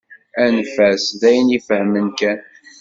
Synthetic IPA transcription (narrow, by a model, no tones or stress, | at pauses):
ænfæsðæjənifəhmənkæn